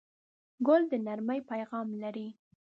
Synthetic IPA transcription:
ɡʊld̪ənaɾməjpajɣɑmlaɾi

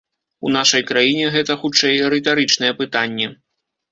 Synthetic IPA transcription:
ṵn̪aʂɐjkɾajinʲɛɣɛt̪ɐxut͡ʂɛjɾɨt̪aɾɨt͡ʂnɐjɛpɨt̪anʲːɛ

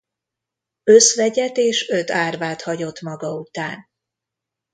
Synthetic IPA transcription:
øsʋɛɟɛt̪eːʃøt̪aːrvaːt̪hɒɟo̞t̪mɒɡɒut̪aːn

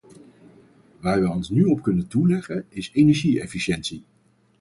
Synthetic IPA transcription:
ʋaːɹʋəɔnsnyɔp̚kɵnəntulɛχənɪsejnɛɹʒiɛfiʃɛntsi

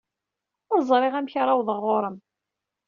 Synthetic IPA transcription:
zˤɾˤeʁæmçɾˤɑwðˤəʁːoɾˤəm

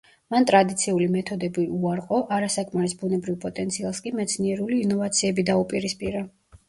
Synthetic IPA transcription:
mant̪ʼɾad̪it̪sʰiulimɛt̪ʰɔd̪ɛbiuaɾqʼɔʔaɾasakʼmaɾisbunɛbɾivpʼɔt̪ʼɛnt̪sʰialˠskʼimɛt̪sʰniɛɾuliːnɔvat̪sʰiɛbid̪aupʼiɾispʼiɾa

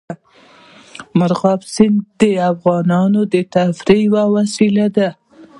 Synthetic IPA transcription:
maɾɣɑbsɪnd̪əafɣɑnɑnod̪ət̪afɾiwawasilad̪a

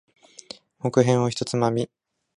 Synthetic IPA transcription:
mokɯ̟ɦẽ̞ɰ̃oçi̥t̪o̞t͡sɨmamʲi

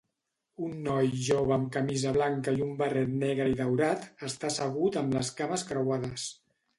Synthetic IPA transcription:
unːɔjʒoβəəmkəmizəβlaŋkəiumbərɛt̪nɛɣɾəiðəwɾat̪əst̪asəɣ̞ut̪əmləskaməskɾəwaðəs

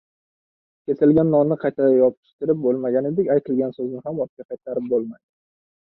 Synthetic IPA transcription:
kʲʰe̞sɪlɡʲanːɒmnɪqʰɑjt̪ʰaajɒp̪̚ʰɪ̥ʃt̪ɪɾɪp̚bolˠmaɡʲane̞d̪ɪkʲajt̪ʰɪlɡʲansɵznɪɦamɒt̪̚kʲaqʰɑjt̪ʰaɾɪp̚bolˠmajd̪ɪ

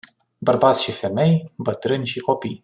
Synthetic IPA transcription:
bərbat̪sʲʃife̞me̞jbət̪ɾɨnʲʃiko̞pij

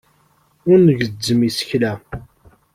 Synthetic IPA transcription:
ʊɾnəʝəd͡zːəmisə̥çlæ

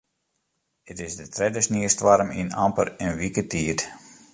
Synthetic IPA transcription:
ətɪsdətrɛdəsniəstʋaɾəmḭna̰mpə̰ɾənʋikətʰiət

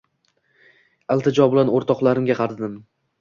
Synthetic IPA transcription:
alˠt̪ʰɪd͡ʒɒbɪlanoɾt̪ʰɒqlˠaɾɪmɡʲaqʰɑɾd̪ɪm

